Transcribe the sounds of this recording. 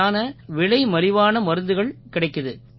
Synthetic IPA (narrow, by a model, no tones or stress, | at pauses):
aːnɐʋɪɭɐɪmɐɾɪʋaːnɐmɐɾɯnd̪ɯɣɐɭkɪɽɐɪkːɐðɯ